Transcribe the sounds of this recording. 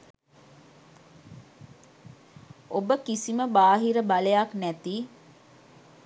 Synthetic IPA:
obəkisiməbaːɦiɾəbalejaknæt̪iː

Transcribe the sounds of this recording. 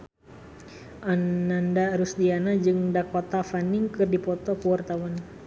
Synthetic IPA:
ʔanːandaɾusdianad͡ʒɨŋdakɔt̪afaniŋkɨrdipɔt̪ɔkuwart̪awan

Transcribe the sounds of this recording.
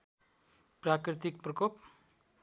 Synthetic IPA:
prakɾit̪ik̚prʌkop

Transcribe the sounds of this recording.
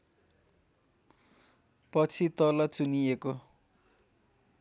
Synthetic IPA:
pʌt͡sʰit̪ʌlat͡sunieko

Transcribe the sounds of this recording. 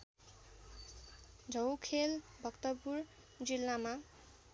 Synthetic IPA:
d͡zʱʌwkʰelbʱʌkt̪ʌpur | d͡zilːama

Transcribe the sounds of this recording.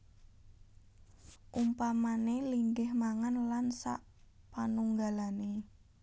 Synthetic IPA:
ʔumpamaneliŋɡɪhmaŋanlansa̰ʔ | panuŋɡalane

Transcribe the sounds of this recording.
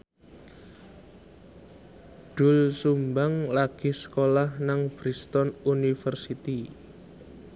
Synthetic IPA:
ɖ̥ʊ̤lsumbaŋlaɡ̥i̤sə̥kolahnaŋb̥ɾist̪ɔnunifərsit̪i

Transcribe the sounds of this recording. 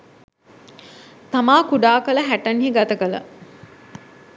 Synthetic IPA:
t̪amaːkuɖaːkələɦæʈɐnɦiɡat̪ɐkələ̰

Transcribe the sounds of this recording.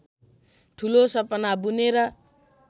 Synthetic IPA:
ʈʰulosʌpʌnabuneɾʌ

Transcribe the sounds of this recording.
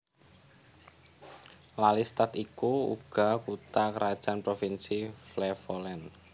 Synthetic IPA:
lalist̪at̪ikuṵɡ̥a̤kut̪akəɾad̥ʒ̥anpɾofinsiflɛfolɛn

